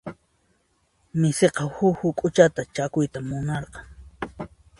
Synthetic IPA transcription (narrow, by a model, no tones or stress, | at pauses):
mɪseqɑhʊhʊkʼʊt͡ʃat̪at͡ʃakʊjt̪amːʊnɑɾqɑŋ